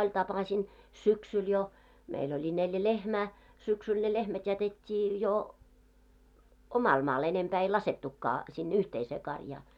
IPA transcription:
olʲ tɑpɑsin syksyl jo meil olʲi neljæ lehmæː syksyl ne lehmæt jætetʲːiː jo omɑl mɑːl enempæː ei lɑsetːukːɑː sinːe yhteiseː kɑrjɑː

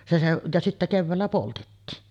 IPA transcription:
se seʔ jɑ sitːæ keʋːæːlːæ poltetːiːn

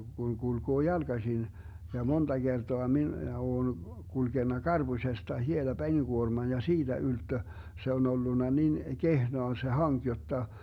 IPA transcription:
ɡ̊uŋ ɡ̊ulɡ̊oː jɑlɡ̊ɑsin jɑ mond̥ɑ ɡ̊ertoɑ minæ oːn kulɡ̊enːɑ kɑrb̥usestɑ hielɑ peniɡ̊uormɑn jɑ siːd̥æ yltːø se on̞ olːunːɑ nin kehnoɑ se hɑŋk jotːɑ

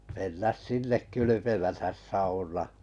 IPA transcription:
menːæs sinːek kylypemætæs sɑunɑː

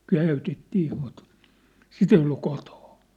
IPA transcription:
kæyˑtetːiː mut sit ei olːu koto̥n̥

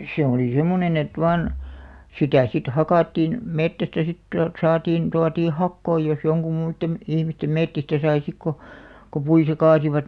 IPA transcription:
se oli semːonen et ʋɑːn sitæ sit hɑkɑˑtːiːn metːæstæ sit tuɑlt sɑːtiːn tuɑtiː hɑkːoi jos joŋkum muitːem ihmistem metːistæ sɑi sik ko ko puitɑ kɑːsiʋɑt

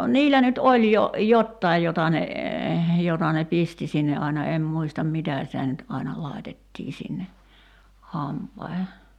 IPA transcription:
niːlæ nyt olʲ jo jotːɑij jotɑ ne jotɑ ne pisti sinːe ɑinɑ em muistɑm mitæ sitæ nyt ɑinɑ lɑi̞tetːiː sinːe hɑmpɑihe

